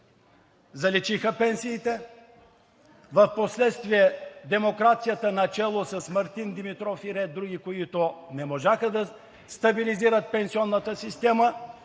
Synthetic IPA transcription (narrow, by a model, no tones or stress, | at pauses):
zɐlit͡ʃixəpɛnsiːt̪ɛ | vɐfposlɛt̪st̪viɛd̪ɛmokɾat̪sijət̪ənɐt͡ʃɛlˠosɐsmɐɾt̪ind̪imit̪ɾɔfiɾɛd̪ɾuɡʲikoit̪onɛmoʒaxəd̪ɐ | st̪ɐbiliziɾət̪̚pɛnsiɔnːət̪əsist̪ɛmə